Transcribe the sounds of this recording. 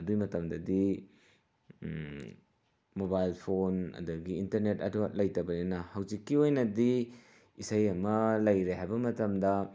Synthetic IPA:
ɐdujmɐtɐmdɐdi | mobajlpʰonɐ̰dɐɡiːntɐɾnetɐ̰duɐlɐjtɐbɐninɐhɐwzikːiojnɐdi | isɐjɐmɐlɐjɾeɦajbɐmɐtɐmdɐ

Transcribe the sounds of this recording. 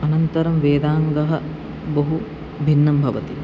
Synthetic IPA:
ɐnɐnt̪ɐɾɐmʋeːd̪aːŋɡɐɦɐ | boɦu | bʱinːɐmbʱɐʋɐt̪i

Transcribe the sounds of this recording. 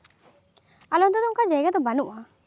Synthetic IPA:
alɔnd̪ɔd̪ɔŋkad͡ʒɛɡad̪ɔbanuʔa

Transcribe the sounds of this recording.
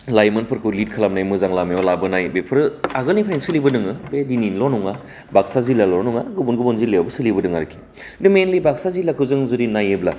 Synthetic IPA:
lajmɯnpʰɯɾkʰɯlit̚kʰalam̚najmɯzaŋlamiɔlabɯnajbepʰɯɾɯaɡɯlnipʰaɾensɯlibɯdɯŋɯbedininlɔnɔŋa | bak̚sazilalɔɾnuŋaɡɯbunɡɯbɔnzileabɯsɯlibɯdɯŋaɾɯkʰi̥ | dɯmenlibak̚sazilakʰɯzɯŋzudinajebla

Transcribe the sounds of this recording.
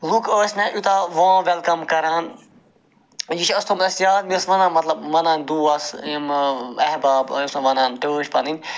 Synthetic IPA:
lukəːsʲnɐ̃ʔut̪ʰaːʋãːʋɛlkɐmkɐɾaːn | jit͡ʃʰɐst̪ʰumɐsjaːd̪̚misʋɐnãːmɐt̪lɐbʋɐnaːnd̪uːɐsmɐɦbaːbɐ̰ːjusɐ̃ʋɐnãːnt̪oːʃpɐninʲ

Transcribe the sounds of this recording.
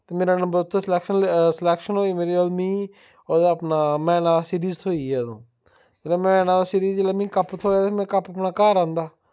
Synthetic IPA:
t̪eːmeːɾaːnəmbəɾʊt̪ʰːoslɛːkʃənsəlɛːkʃənɦoːiːmeːɾiːolmĩː | od̪əpnaːmɛ̃ːnãːlaːsiːɾiːzt̪ʰoːiːɛːd̪õː | d͡ʒeːlɛːmɛ̃ːnãːlaːsiːɾiːzd͡ʒeːlaːmĩːkəpt̪ʰoːaːt̪emɛ̃ːkəpəpnaːkaːɾãːnd̪aː

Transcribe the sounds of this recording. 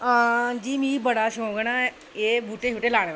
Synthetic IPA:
aːd͡ʒiːmĩːbəɽaːʃõːɡənaː | eːbuːʈeːɦʊːʈeːlaːɽ̃eːʋ

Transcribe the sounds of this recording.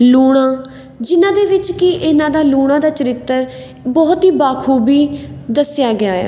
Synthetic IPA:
luːɽ̃ãː | d͡ʒɪnãːd̪eːʋɪt͡ʃkɪʔɪnãːd̪aːluːɽ̃ãːd̪aːt͡ʃəɾɪt̪ːəɾ | bɔːt̪ɦiːbaːkʰuːbiːd̪əsjaːɡɪaːja̰ː

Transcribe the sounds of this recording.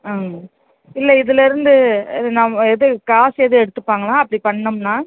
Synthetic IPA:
aː | ɪlːɐɪðɯlɐɪɾɯnd̪ɯnɐmɐɛðɯkaːsɛðɯɛɽɯt̪ːɯpːaːŋɡɐlãːɐpːɐɽipɐɳːɐmnaː

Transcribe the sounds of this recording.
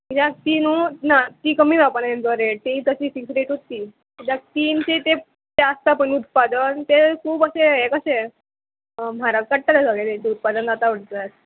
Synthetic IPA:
id͡ʑak̚t̪iːnuːnat̪iːkəmiːd͡zapənaent͡səɾeɽt̪eɦiːt̪əɕiːfiksɾeʈɦot̪iː | d͡ʑak̚t̪iːnt͡set̪e | t̪eəst̪apəɳut̪̚pad̪ənt̪ekʰuːbəseɦekəɕe | m̤aɾakəɽʈalasəɡet̪et̪eut̪̚pad̪ənd͡zat̪aʋəɽt̪at̪

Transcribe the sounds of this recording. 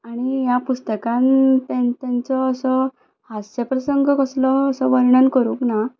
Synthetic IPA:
aɽ̃ijapust̪əkãnt̪ãnt̪ant͡sɔəsɔ | hasəpɾəsəŋɡəkəslɔːsɔʋəɾɳənkəɾuːkna

